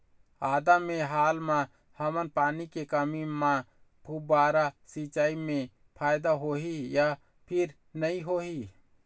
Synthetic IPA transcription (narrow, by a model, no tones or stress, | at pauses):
aːd̪amẽɦaːlmã | həmənpaːnikekəmimã | pʰubaːɾasit͡ʃaːimẽ | pʰaːjd̪aɦoɦija | pʰɪɾ | nəĩɦoːɦi